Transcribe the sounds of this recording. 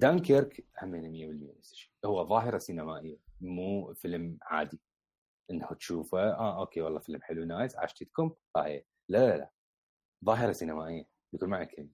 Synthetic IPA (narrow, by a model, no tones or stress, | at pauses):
d̪aːŋkeɾkħamːeːnamɪjːabɪlməjːa̰ʔɪsːʃi̥ːhʊwːaðˤɑːɦɪɾɑsinamaːʔɪjːamuːfɪlmʕa̰ːd̪i | ʔɪnːhut̪ʃuːfaʔaːʔoːkeːwɑlˤːɑːfɪlmħɪlunaːjsʕa̰ːʃt̪ɪt̪kʊmfˤa̰ːħḭː | lalaala̰ | ðˤɑːɦəɾˤɑsinamaːʔɪjːa | d̪kuːnmaʕakɪlma